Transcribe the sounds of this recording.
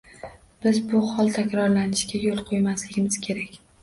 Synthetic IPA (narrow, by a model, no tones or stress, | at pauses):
b̥ɪzbʊhɒlˠt̪ʰakʲɾɒɾlanɪʃɡʲajolˠqʰojmaslɪɡʲɪmɪz̥kʲʰe̞ɾakʲ